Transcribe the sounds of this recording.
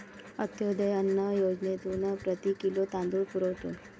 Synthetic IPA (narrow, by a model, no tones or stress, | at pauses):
ət̪jod̪ʱəjənːəjod͡ʒnet̪unəpɾət̪ikilot̪ãnd̪uɭpuɾəwʈ̪un